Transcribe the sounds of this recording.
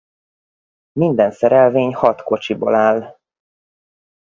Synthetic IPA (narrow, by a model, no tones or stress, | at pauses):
mind̪ɛnsɛɾɛlveːɲhɒt̪ko̞t͡ʃibo̞̰laːl